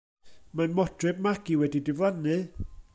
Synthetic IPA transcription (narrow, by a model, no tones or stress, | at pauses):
manmɔdʰrɨb̚maɡiwɛdidɪvlˠanɨ